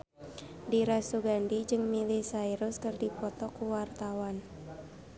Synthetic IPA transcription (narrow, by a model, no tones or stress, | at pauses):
diɾasuɡandid͡ʒɨŋmilisaiɾʊskərdipɔt̪ɔkuwart̪awan